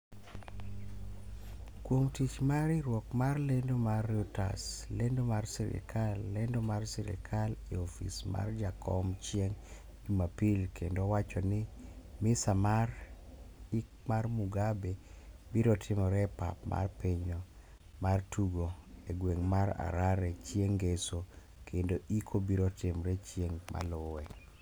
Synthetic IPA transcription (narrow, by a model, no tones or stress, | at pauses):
kwoŋtit͡ʃmaɾiɾwɔkmarlendomarːuta̰slendomarsiɾɪ̰kʰalːendomarsiɾɪ̰kʰaliɔfḭsma̰rd͡ʒakʰɔmt͡ʃjeŋ | d͡ʒumapilkendowat͡ʃɔnɪmɪsamar | ikmarmuɡabebiɾɔtʰɪmɔɾɛpa̰pma̰rpeɲo | martʰuɡoeɡweŋmaɾa̰ɾaɾɛt͡ʃjeŋɡeso | kʰendoʔikʰobiɾɔtɪmɾɛt͡ʃjeŋmʔa̰lowɛ